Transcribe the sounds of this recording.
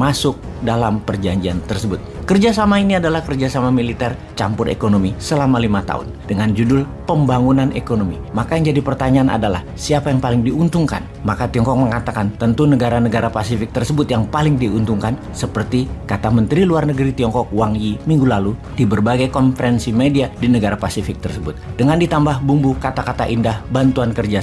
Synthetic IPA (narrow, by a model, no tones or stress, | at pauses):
masʊk̚dalampərd͡ʒaɲd͡ʒia̰nt̪ərsəbʊt̪̚kərd͡ʒasamainiadalahkərd͡ʒasamamilit̪ɛr | t͡ʃampʊrʔḛkonomisəlamalimat̪a̰ʊ̰ndəŋand͡ʒudʊlpəmbaŋunanʔekonomimakajaŋd͡ʒadipərt̪aɲaanʔa̰dala̰h | siapajaŋpalɪŋdiunt̪ʊŋka̰n | makat̪iɔŋkɔk̚məŋat̪akant̪ənt̪unəɡaɾanəɡaɾapasifɪk̚t̪ərsəbʊt̪jaŋpalɪŋdiunt̪uŋkan | səpərt̪ikat̪amənt̪ɾiluarnəɡəɾit̪iɔŋkɔk̚waŋjimiŋɡulalu | d̥ibərbaɡajkɔnfəɾɛnsimediadinəɡaɾapasifɪk̚t̪ərsəbʊt̪̚dəŋandit̪ambahbumbukat̪akat̪aʔindahbant̪uankərd͡ʒa